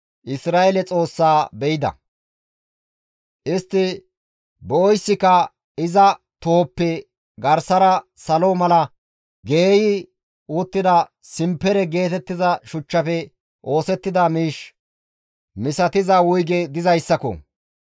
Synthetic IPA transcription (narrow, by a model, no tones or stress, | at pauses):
ʔɪsɾaːelɛt͡sʼo̞ːsːaːbɛjɪd̪ɐ̰ | ʔɪst̪ːɪ | bɔɔjsːɪkɐ | ɪzɐ | t̪ʊhɔpːɛ | ɡɐɾsɐɾɐsɐlomɐlɐ | ɡeːjɪ | ʊt̪ːɪd̪ɐ | sɪmpːɛɾɛɡe̞ːt̪ɛt̪ːɪzɐʃʊt͡ʃːɐfɛ | ʔo̞ːsɛt̪ːɪd̪ɐmiːʃ | mɪsɐt̪ɪzɐwʊjɡɛd̪ɪzɐjsːɐkɔ̰